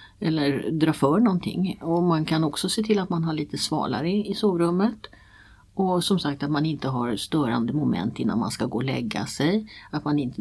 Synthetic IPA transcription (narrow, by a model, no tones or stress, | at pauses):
ɛlːəɾd̪ɾɑːfœːɾɳɔnt̪ʰɪ̰ŋːɔmankʰanɔksɔseːt̪ʰɪlːat̪manɦaɭiːt̪əsvɑ̰ːla̰ɾəɪsoːvɾɵmːət̪ | ʔɔsɔmsak̚t̪at̪manɪnt̪əɦaɾst̪œːɾa̰nd̪əmʊmɛ̰nt̪ɪnːa̰nma̰nskaɡoːlɛ̰ɡːa̰sɛjat̪manɪnt̪ə